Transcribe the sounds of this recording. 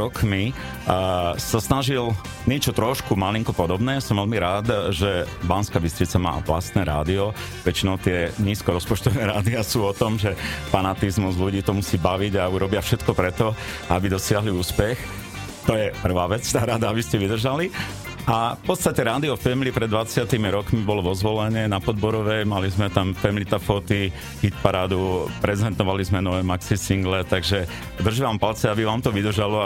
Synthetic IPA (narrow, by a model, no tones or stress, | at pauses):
ɔkmi | sasnaʒil | ɲɪɛt͡ʃɔt̪ɾɔʃkumaliŋkɔpɔd̪ɔbnɛːasɔmʋɛlmiɾaːd̪ʒɛbanskaːbist̪ɾit͡sama̰ːʋla̰st̪nɛːɾa̰ːd̪iɔ | ʋɛt͡ʃinɔʊt̪ɪɛɲiːskɔɾɔspɔt͡ʃt̪ɔʋnɛɾaːd̪iasuːɔt̪ɔmʒɛfanat̪izmuzluɟiːt̪ɔmusiːbaʋiɟauɾɔbɪafʃɛt̪kɔpɾɛt̪ɔ | abid̪ɔsɪaɦliuːspɛx | t̪ɔjɛpr̩ʋaːʋɛt͡st̪aːɾad̪aabiscɛʋid̪r̩ʒali | afpɔt̪t͡st̪acɛɾaːd̪iɔfɛmlipɾɛd̪ʋat͡sɪat̪imiɾɔkmibɔlɔʋɔzʋɔlɛɲɪɛnapɔd̪bɔɾɔʋɛjmalizmɛt̪amfɛmlit̪afɔt̪i | xit̪̚paɾaːd̪upɾɛzɛnt̪ɔʋalizmɛnɔʋɛːmaksisiŋɡlɛt̪aɡʒɛ | d̪r̩ʒiʋaːmpalt͡sɛabiʋaːmt̪ɔʋid̪r̩ʒalɔ